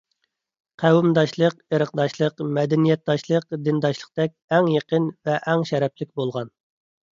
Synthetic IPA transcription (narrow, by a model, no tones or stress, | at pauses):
qʰæwumd̪ɑʃlˠəqeɾəq̚d̪ɑʃlˠəqmɛd̪ɛnijɛt̪̚d̪ɑʃlˠəqd̪ɪnd̪ɑʃlˠə̥qd̪ɛk̚ʲɛŋjeqənvɛʔɛŋʃɛɾɛplɪk̚ʲbolˠʁɑn